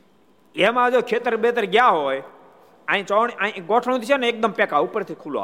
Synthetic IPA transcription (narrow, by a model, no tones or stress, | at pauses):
eɦmãːd͡ʒoːkʰeːt̪əɾɓeːt̪əɾɠɪjaːɦoːe | ə̃ːt͡ʃoːɳəĩɡoːʈʰəɽ̃õt̪isoːneːk̚d̪əmpɛːkaːʊpəɾt̪ʰiːkʰuːloa̰